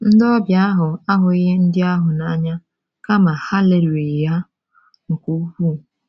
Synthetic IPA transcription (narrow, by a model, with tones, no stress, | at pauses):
n̩˦dɔ˦bja˦a˦ɦʊ˨a˦ɦʊ˨i˦ɦe˦n̩˦dɪ˦a˦ɦʊ˨na˦ɲa˦ | ka˦ma˨ha˦le˨lwe˨ja˦ | ŋ̩˨kʷu˦u˦ku˦˨